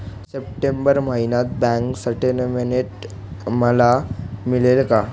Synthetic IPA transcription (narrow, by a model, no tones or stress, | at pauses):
sep̚ʈembəɾməɦinat̪̚bɛ̃ŋksəɾʈenminiʈ | məlamilelka